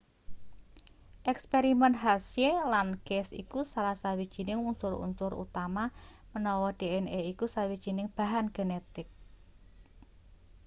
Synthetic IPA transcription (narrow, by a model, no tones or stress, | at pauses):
ʔɛkspeɾimɛnɦasjelanɡ̥ɛsḭkusalasawid̥ʒ̥i̤nɪŋunsʊɾṵnt̪ʊɾṵt̪amamənɔwɔɖ̥eɛneikusawid̥ʒ̥i̤nɪŋb̥a̤ɦanɡ̥enet̪ɪk̚